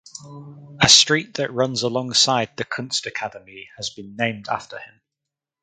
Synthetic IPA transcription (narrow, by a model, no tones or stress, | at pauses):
əstɹ̥iˑʔðəʔɹʌ̃nzəlɒ̃ŋsaɪd̪̚ðəkʰʊ̃nstəkʰadəmiəzbĩnːẽɪ̃mda̰ftəɪ̃m